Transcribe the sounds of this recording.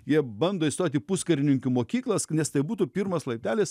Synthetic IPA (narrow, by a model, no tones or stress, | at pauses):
jiɛbɐnd̪oːist̪oːt̪ʲiːpuskɐɾʲɪnʲɪŋʲkʲʊmoːkʲiːklˠɐsnʲɛst̪ɐɪbuːt̪upʲiːɾmoslˠɐɪp̚ʲt̪ʲæːlʲeːs